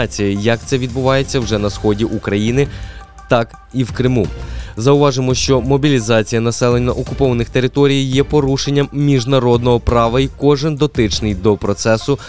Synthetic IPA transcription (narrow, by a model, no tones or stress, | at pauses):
t͡sʲijɐjɐk̚t̪sɛʋʲid̪̚bʊʋɑje̞t͡sʲːɐwʐɛnɐsxɔdʲiʔukɾɐjinɪ | t̪ɑk | iwkɾɪmuzɐʊʋɑʒɪmɔʃt͡ʃɔmɔbʲilʲizɑt͡sʲijɐnɐsɛlˠenʲːɐʔɔkʊpɔʋɐnɪxt̪e̞ɾɪt̪ɔɾʲijjɛpɔɾuʃenʲːɐmːʲiʒnɐɾɔd̪nɔɦɔpɾɑʋɐikɔʒɪnd̪ɔt̪ɪt͡ʃnɪjd̪ɔpɾɔt̪sɛsʊ